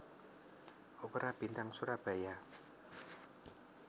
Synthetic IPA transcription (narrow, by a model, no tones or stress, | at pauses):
opəɾʔab̥i̤nt̪aŋsuɾab̥a̤ja